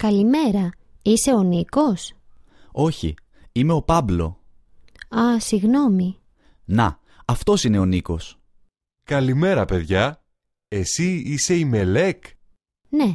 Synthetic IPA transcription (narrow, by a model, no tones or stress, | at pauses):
kɐlime̞ɾɐ | ise̞o̞niko̞s | o̞çḭ | ime̞o̞pɐblo̞̰ | ɐsiɣno̞mi | nɐ̰ | ɐft̪o̞sine̞o̞niko̞s | kɐlime̞ɾɐpe̞ðʝɐ | e̞siise̞ime̞le̞k | ne̞